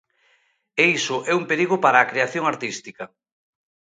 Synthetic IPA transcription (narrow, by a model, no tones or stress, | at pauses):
eisʊʔɛumpeɾiɣʊpaɾaːkɾeaθjoŋaɾt̪ist̪ikɐ